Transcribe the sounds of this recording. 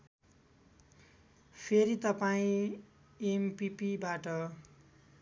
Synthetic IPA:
pʰeɾit̪ʌpaĩ | empipibaʈʌ

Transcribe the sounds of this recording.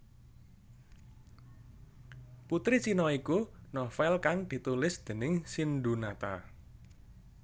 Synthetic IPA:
put̪ɾit͡ʃinɔikunɔfɛlkaŋd̪̥i̤t̪ulɪsd̪̥ə̤nɪŋsind̪unat̪a

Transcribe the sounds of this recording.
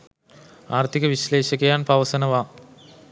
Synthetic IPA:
aːrt̪ʰikəʋiɕleːʃɐkejaːnpɐʋɐsɐnɐʋaː

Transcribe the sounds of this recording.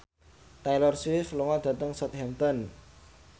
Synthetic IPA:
t̪ajlɔrsifluŋɔd̪̥ä̤t̪əŋsɔt̪̚hɛnt̪ɔn

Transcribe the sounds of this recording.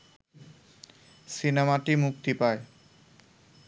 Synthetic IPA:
sinemaʈimuk̚t̪ipae

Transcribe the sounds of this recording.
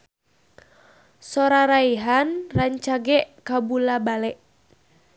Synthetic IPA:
sɔɾaɾaiɦanraɲt͡ʃaɡɛʔkabulabalɛʔ

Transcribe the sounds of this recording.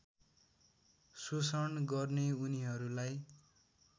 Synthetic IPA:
susʌɳɡʌrneuniɦʌɾulaj

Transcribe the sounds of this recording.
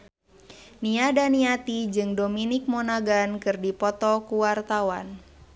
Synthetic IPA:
niadaniat̪id͡ʒɨŋdominik̚mɔnaɡankɨrdipɔt̪ɔkuwart̪awa̰n

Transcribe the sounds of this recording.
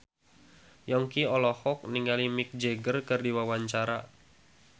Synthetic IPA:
jɔŋkiɔlɔhɔk̚niŋalimik̚d͡ʒeɡərkɨrdiwawaɲt͡ʃaɾa

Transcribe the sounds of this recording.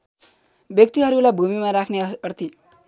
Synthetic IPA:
bjʌk̚t̪iɦʌɾulajbʱumimaɾakʰneʌrt̪ʰi

